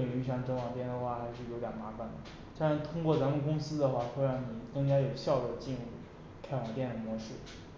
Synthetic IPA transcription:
li˨˩ŋy˥˧ʂɑ˥˧ŋʈ͡ʂɤ˥ŋwɑ˨˩ŋt̪jɛ˥˩nd̪ə˩xwa˥˩xa˧˥ɪʂɻ̩˥˩jo˧˥ʊjɐ˨˩ma˧˥fa˨˩nd̪ə̰˩˦ | t̪a˥˩ɻa˧˥t̪ʰʊ˥ŋkwɔ˥˩t͡sa˧˥nə˥˩kʊ˥ŋsɹ̩˥d̪ə˨xwa˥˩tʰwɛ˥ɪɻa˧˥nni˨˩kɤ˥˧ŋt͡ɕja˥jo˨˩ʊɕjɑ˥˩ʊlɔ˧˥˩t͡ɕi˥˧nɻu˥˩ | kʰa˥ɪwɑ˨˩ŋt̪jɛ˥˩nə˨˩mwɔ˧˥ʂɻ̩˥˩

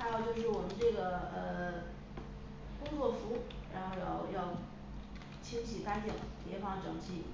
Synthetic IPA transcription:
a˥˧ɑ˥˧ʊt͡ɕjo˥˧ʊʂ̬ɻ̩˥˩wɔ˨˩mə˦nʈ͡ʂɤ˥˩ɡə˩ə˧ | kʊ˥ŋt͡swɔ˥˩fu˧˥ | ɻa˧˥nxo˥˧ʊjɑ˥˧˩ʊʊ˧jɑ˥˩ʊ | t͡ɕʰi˥ŋt͡ɕʰi˨˩ka˥nt̪i˥˩ŋpjɛ˧˥fɑ˥˩ŋʈ͡ʂɤ˨˩ŋt͡ɕʰi˥˩

